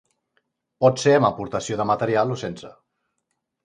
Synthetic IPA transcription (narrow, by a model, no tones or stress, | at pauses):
pɔt̪seəməpuɾt̪əsjoðəmət̪əɾialˠosensə